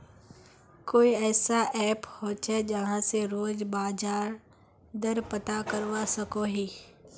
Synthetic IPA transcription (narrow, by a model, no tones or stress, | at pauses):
koːiɛːsaʔɛːphoːt͡ʃɦɛd͡ʒɐɦãseɾoːd͡ʒbaːd͡ʒaːɾ | d̪əɾpət̪akəɾʋasəkoɦiː